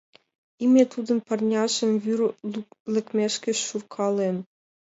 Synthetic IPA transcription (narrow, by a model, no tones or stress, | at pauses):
imʲet̪ud̪ə̆npɤ̆rnʲɑʒə̆mβyrlɘ̆kmʲeʃkɘ̆ʃːurkʰɑlen